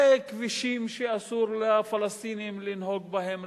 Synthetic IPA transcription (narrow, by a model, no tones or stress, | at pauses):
ekʋiʃiːmʃiɐsuːɾlafɐlɐst̪iːnimlinɦoɡ̚bɐɦem